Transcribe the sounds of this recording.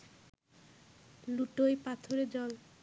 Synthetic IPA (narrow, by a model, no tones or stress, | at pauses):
luʈojpat̪ʰoɾed͡ʑɔl